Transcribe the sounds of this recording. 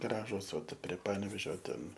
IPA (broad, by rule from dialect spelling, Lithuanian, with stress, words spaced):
ˈɡrɑːʒʊs oː pʲrʲiɛ ˈpɑːnʲɛʋʲeːʒʲoː ˈtʲɛn